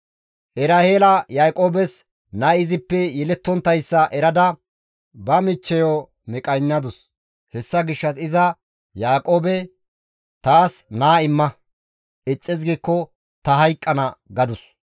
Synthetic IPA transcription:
ʔɛɾaheːlɐjaːkʼo̞ːbɛs | nɐɪzɪpːɛjɛlɛt̪ːɔnt̪ːɐjsːɐʔɛɾɐd̪ɐ | bɐmɪt͡ʃːɛjɔ | mɛkʼɐjnːɐd̪ʊs | hɛsːɐɡɪʃːɐsɪzɐ | jaːkʼo̞ːbɛ | t̪aːsnaːɪmːɐ | ɪt͡sʼːɪz̬ɡiːkːɔ | t̪ɐɦɐjkʼːɐnɐɡɐd̪ʊs

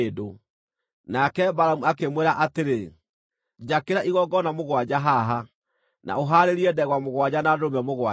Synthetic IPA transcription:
do | nakɛbaɾamuakemwɛɾaʔateɾe | d͡ʒakeɾaʔiɣɔɡɔnamoɣwad͡ʑaɦaɦa | na̰oɦaːɾeɾiɛdɛɣwamoɣwad͡ʑanadomɛmoɣwa

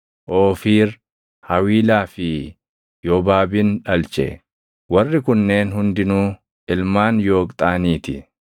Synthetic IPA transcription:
ʔoːfiːɾ | hɐwiːlaːfɪ | jɔbaːbɪnᶑɐlt͡ʃʼɛ̰ | wɐrːɪkʊnːe̞ːnhʊnd̪ɪnuː | ɪlmaːnjo̞ːkʼt̪ʼaːniːt̪ɪ

